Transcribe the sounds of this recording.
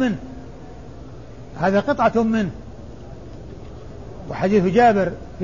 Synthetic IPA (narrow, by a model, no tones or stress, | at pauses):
ɪnː | haːðaqɨt̪ˤʕɑt̪hʊmmːɪnh | wɪ̰ħad̪iːθhʊd͡ʒaːbɪɾ | f